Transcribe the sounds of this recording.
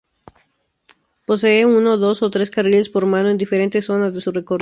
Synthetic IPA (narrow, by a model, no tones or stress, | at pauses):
po̞s̬e̞euno̞ðo̞sot̪ɾe̞skariʎe̞spo̞ɾmãnoe̞nd̪ife̞ɾe̞nt̪e̞sːo̞nazðe̞sure̞kor